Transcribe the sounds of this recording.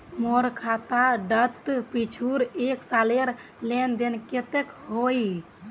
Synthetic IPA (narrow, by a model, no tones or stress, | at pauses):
moɾkʰat̪aɖət̪ːpit͡ʃʰuɾeksaleɾ | lend̪enket̪ekɦoj